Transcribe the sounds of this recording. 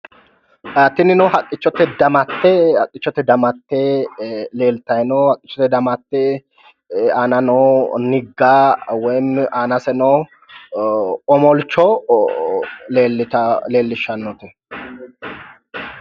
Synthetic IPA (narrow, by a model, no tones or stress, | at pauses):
ʔaːt̪ːɪnɪnɔhɐkʼːɪt͡ʃːɔt̪ːɛd̪ɐmɐt̪ːɛɐkʼːɪt͡ʃːɔt̪ːɛd̪ɐmɐt̪ːɛ | leːlt̪ɐjnɔhɐkʼːɪ̥t͡ʃːɔt̪ːɛd̪ɐmɐt̪ːɛ | anɐnoːnɪɡːaːwɔjmʔaːnɐsɛnɔ | ɔmɔlt͡ʃːɔ | leːlːɐle̞ːlːɪʃɐnːɔt̪ɛ